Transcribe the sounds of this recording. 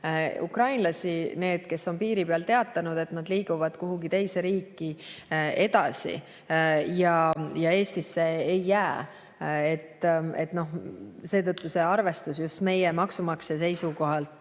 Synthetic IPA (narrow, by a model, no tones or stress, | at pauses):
ṵkrɑjnlɑsine̞ːd̪̥ke̞sːo̞npiːɾipeɑlt̪e̞ɑt̪ːˑɑnud̪̥e̞t̪nɑd̪̥liːɡ̥uvɑd̪̥koɦuɡit̪e̞jse̞ɾiːkˑːie̞d̪̥ɑsḭ | jɑjɑe̞ːst̪isːe̞ːjːæː | et̪ːe̞t̪no̞hse̞ːt̪ɤt̪ːuse̞ɑrve̞st̪us̬just̪me̞jemɑksumɑksese̞jsuko̞ɦɑlt̪ˑ